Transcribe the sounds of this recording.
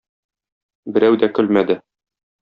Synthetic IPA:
bɘ̆ɾæwd̪ækɵlmæd̪ɘ

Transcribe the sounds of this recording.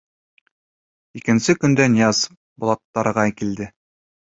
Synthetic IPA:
ikɘ̆nsɘkɵ̆nd̪ænjɑz | bŏlˠɑt̪ːɑɾɤ̆ʁɑkild̪ɘ

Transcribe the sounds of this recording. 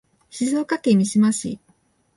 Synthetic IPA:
ɕizoːkakemʲiɕimaɕḭ

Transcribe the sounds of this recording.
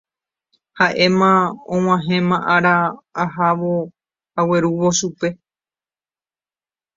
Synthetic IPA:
haʔe̞mãõŋ̃ãɦẽ̞mãʔaɾaːɦaʋo̞ | awe̞ɾuʋo̞ʃupe̞

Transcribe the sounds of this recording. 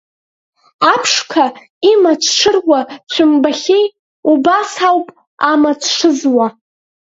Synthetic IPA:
apʰʂkʰa | imat͡ʃʷʰʂʰɨrwat͡ɕʷʰɨmbaχʲej | ubasawpʼ | amat͡sʷʰʂɨzwa

